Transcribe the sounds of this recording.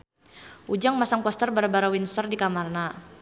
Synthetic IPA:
ʔud͡ʒaŋmasaŋpɔst̪ərbaɾabaɾawinsərdikamarna

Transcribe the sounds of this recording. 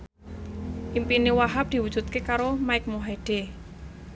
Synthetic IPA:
ʔimpinewaɦap̚d̪̥i̤wudʒ̥ṳt̪̚kekaɾomaɪk̚moɦaiɖ̥e

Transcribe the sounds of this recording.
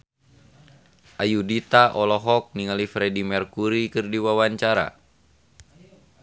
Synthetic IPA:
ʔajudit̪aʔɔlɔɦɔk̚niŋalifɾɛdimɛrkuɾikɨrdiwawaɲt͡ʃaɾa̰

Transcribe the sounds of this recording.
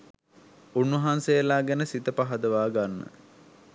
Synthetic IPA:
unːəɦansejəlaːɡænəsit̪əpaɦɐd̪əʋaːɡanːə̰

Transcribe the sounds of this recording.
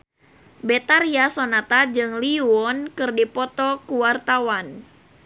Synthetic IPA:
bet̪aɾiasonat̪ad͡ʒɨŋliwɔnkɨrdipɔt̪ɔkuwart̪awan

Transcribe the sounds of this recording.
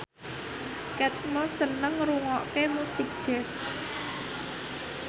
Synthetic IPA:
kɛt̪̚mɔsənəŋɾuŋɔkemusik̚d̥ʒ̥ɛs

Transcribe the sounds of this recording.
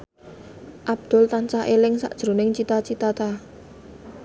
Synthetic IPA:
ʔab̚d̪̥ʊ̤lt̪ant͡ʃaʔelɪŋsa̰ʔd̥ʒ̥ɾo̤nɪŋt͡ʃit̪at͡ʃit̪at̪a

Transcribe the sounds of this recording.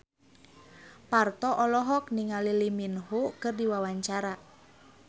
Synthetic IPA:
part̪ɔʔɔlɔɦɔk̚niŋaliliminhukɨrdiwawaɲt͡ʃaɾa

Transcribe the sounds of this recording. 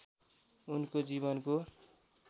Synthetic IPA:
unkod͡ziβʌnko

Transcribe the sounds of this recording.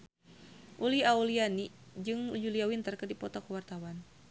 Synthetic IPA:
ʔuliauliani | d͡ʒɨŋud͡ʒuliawint̪ərkədipɔt̪okəwart̪awan

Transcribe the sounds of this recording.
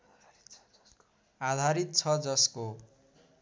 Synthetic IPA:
ad̪ʱaɾit̪̚t͡sʰʌd͡zʌsko

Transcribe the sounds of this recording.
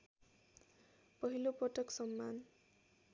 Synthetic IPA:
pʌɦilopʌʈʌksʌmːan

